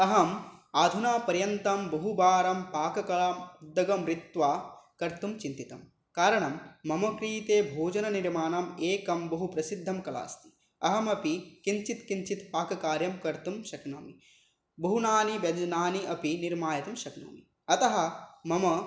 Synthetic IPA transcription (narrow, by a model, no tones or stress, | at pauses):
ɐɦɐmaːd̪ʱunaːpɐɾjɐnt̪ɐmbɐɦubaːɾɐmpaːkɐkɐlaːmud̪ːɐɡɐmɾit̪ʋaːkɐɾt̪umt͡ʃint̪it̪ɐm | kaːɾɐɳɐmːɐmɐkɾiːt̪eːbʱoːd͡ʒɐnɐniɾmaːnɐmeːkɐmbɐɦupɾɐsid̪ʱːɐmkɐla̰ːst̪i̥ | ɐɦɐmɐpikint͡ʃit̪kint͡ʃit̪paːkɐkaːɾjɐmkɐɾt̪umʃɐknɐ̰ːmi | bɐɦunaːniʋjɐd͡ʒnaːniʔɐpiniɾmaːjɐt̪ɐmʃɐkno̰ːmi | ɐt̪ɐɦɐ̆mɐmɐ